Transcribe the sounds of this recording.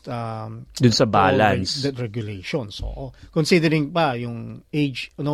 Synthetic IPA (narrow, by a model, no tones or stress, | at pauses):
t̪ad̪ʊnsɐbaːlansd̪ɐt̪ɹɛɡjʊlejʃɔnsʔo̰ʔokɔnsid̪ɛɾɪ̃ŋpajʊŋejd͡ʒno